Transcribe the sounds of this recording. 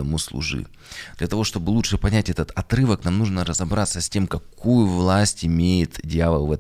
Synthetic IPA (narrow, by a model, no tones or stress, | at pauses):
əmuslˠʊ̰ʐɨ̰ | d̪̥lʲɐt̪ɐvo̞ʂt̪o̞bɨlˠut͡ʂʂɨpɐnʲætʲɛt̪ət̪ɐt̪ɾɨvəknamnuʐnəɾəzɐbɾat̪səsʲtʲe̞mkɐkujʊvlˠasʲtʲɪmʲejɪt̪dʲɪjavəlˠvɛt